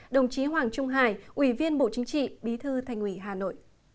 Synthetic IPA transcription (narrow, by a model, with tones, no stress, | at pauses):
ɗə˨˩wŋ͡mt͡ɕi˨˦ɦwaː˨˩ŋt͡ɕʊ˧ŋ͡mɦaː˧˩jʔwi˧˩vi˧ənɓo̰˧˨t͡ɕï˨˦ŋt͡ɕḭ˧˨ɓi˨˦t̪ʰɨ˧t̪ʰa˨˩jŋ̟ʔwi˧˩ɦaː˨˩no̰˧˨jʔ